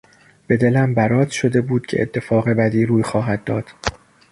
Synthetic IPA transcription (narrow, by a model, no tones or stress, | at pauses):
b̥e̞d̪e̞læmbæɾɒːzʃo̞d̪e̞buːd̪̥̚cʰeʔḛt̪ʰːe̞fɒːɣe̞bæd̪iːɾuːjxɒːɦæd̪ːɒːd̪̥